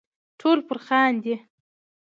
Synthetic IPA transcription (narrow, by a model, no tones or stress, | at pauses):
ʈʰolpəɾxɑnd̪i